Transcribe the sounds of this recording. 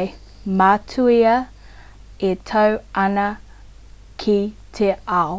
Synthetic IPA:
matʰuiɐ | etʰɐwɐnɐ | kʰitʰeʔao

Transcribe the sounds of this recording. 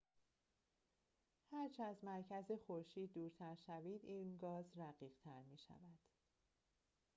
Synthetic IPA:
hæɾt͡ʃʰeæzmæɾcʰæzexoɾʃiːd̪̚ːuːɾt̪ʰæɾʃæviːd̪iːnɡɒːzɾæɢiːɢ̥t̪ʰæɾmiːʃæ̰væd̪̥

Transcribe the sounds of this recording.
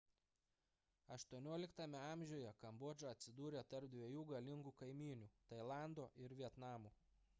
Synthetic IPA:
ɐʃt̪uɔnʲuɔlʲɪkt̪ɐmʲɛɑˑmʲʒʲɛːjɛkɐmbɔːd͡ʒʲoɐt̪ʲsʲɪd̪uːɾʲeːt̪ɐɾp̚d̪ʲʋʲɛjuːɡɐlʲɪŋɡuːkɐɪmʲiːnʲuːt̪ɐɪlˠɑˑnd̪oːʔɪɾʋʲiɛt̪nɑːmuː

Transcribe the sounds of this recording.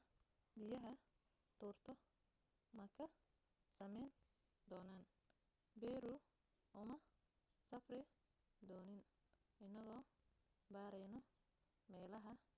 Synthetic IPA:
bɪjɐɦɐ | t̪ʰuːrt̪ʰɔ | mɐkʰɐ | sɐmɛjn | d̪ɔːnaːn | bɛɾʊ | ʔʊmɐ | sɐfrɪ | d̪ɔːnɪn | ɪnːɐɣɔːbaːɾɛjnɔ | mɛːlɐɦɐ

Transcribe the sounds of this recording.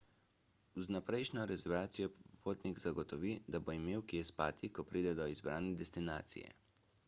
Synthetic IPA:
znapɾɛjʃnʲɔɾɛzɛɾaːt̪sijɔppoːt̪niɡzaɡɔt̪ɔʋid̪aboimeːwkjespaːt̪ʰikɔpɾiːd̪ɛd̪ɔizbɾaːnɛd̪ɛst̪ina̰ːt̪sḭjɛ̰

